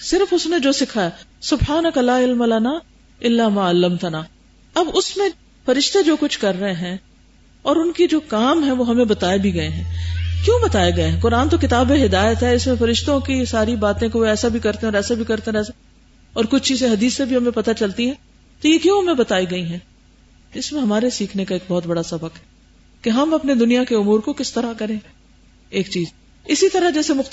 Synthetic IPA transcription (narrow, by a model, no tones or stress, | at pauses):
sɪɾfʊsned͡ʒoːsɪkʰaɛsʊbħaːnəkɐlaːɪlmɐlɐna | ɪlːamaːəlːɐmt̪ɐnaː | ɐbʊsmẽ | fɐɾɪʃt̪ed͡ʒoːkʊt͡ʃʰkɐɾːɐɦẽɦɛ̃ː | ɔːɾʊnkid͡ʒoːkaːmɦɛ̃ʋoːɦɐmẽbɐt̪aːebʱiɡɐeɦɛ̃kjõːbɐt̪aːeɡɐeɦɛ̃kʊɾaːnt̪okɪt̪aːbeɦɪd̪aːjət̪ɦɛɪsmẽfɐɾɪʃt̪õkisaːɾibaːt̪ẽkeʋoɛːsabʱikɐɾt̪eɦɛɔːɾɛːsabʱikɐɾt̪eɾɛːsa | ɔːɾkʊt͡ʃʰt͡ʃiːzeɦɐd̪iːsːebʱiɦɐmẽpɐt̪at͡ʃɐlt̪iɦɛ̃ː | t̪ojekjõːɦɐmẽbɐt̪aːiɡɐiɦɛ̃ː | ɪsmẽɦɐmaːɾesiːkʰnekaeːk̚bɔːt̪̚bɐɽasɐbəkɦɛ | keɦɐmɐpned̪ʊnijakeʊmuːɾkokɪst̪ɐɾakɐɾẽ | eːkt͡ʃiːz | ɪsit̪ɐɾad͡ʒɛːsemʊx